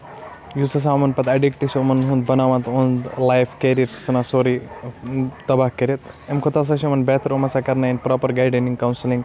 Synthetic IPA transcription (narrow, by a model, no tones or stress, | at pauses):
juːsɐs̬aːumɐnpɐt̪ɐɖikʈisomɐnɦũnd̪bɐnaːʋãnt̪õnd̪lajfkeːɾiɐɾsi̥sɐnaːsoːɾi | t̪ɐbaːhkɐɾet̪emkʰot̪aːs̬aːʃ̬iomɐnbeːt̪ʰɐɾomɐsaːkɐɾnaːinpɾaːpɐɾɡaːjɖɐnĩŋɡkɐwnsilĩŋɡ